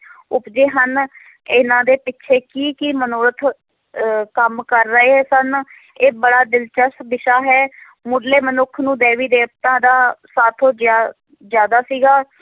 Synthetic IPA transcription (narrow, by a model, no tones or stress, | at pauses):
ʊpd͡ʒeːɦən | ɪnãːd̪eːpɪtːʃʰeːkiːkɪmənoːɾət̪ʰ | kəmkəɾːəeːɦɛːsən | eːbəɽaːd̪ɪlt͡ʃəsb̪ɪʃaːɦɛː | mʊɖleːmənʊkʰnũːd̪eːʋiːd̪eːp̚t̪ãːd̪aːsaːt̪ʰoːd͡ʒ | d͡ʒjaːd̪aːsiːɡaː